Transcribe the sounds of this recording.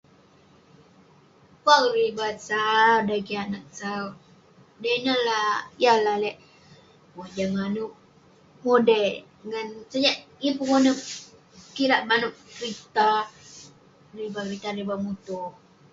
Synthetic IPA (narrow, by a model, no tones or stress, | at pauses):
kwaɾibat̪̚sawdakianak̚sa | dajnalajalalɛʔ | mod͡ʒaŋanuʔ | modɛ | ŋansad͡ʒaʔipuŋonə | kiɾaʔmanʊʔkɾit̪a | ribakɾit̪aɾibamut̪uh